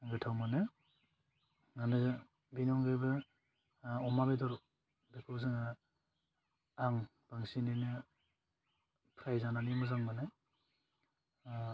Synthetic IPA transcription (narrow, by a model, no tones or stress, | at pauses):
ɡɯtʰawmanɯ | ŋanɯ | binɔŋɡɯjbɯ | ɔmabedɔɾɔ | bikʰowzɯŋa | aŋ | b̥aŋsininɯ | pʰɾajzananimɯzaŋmanɯ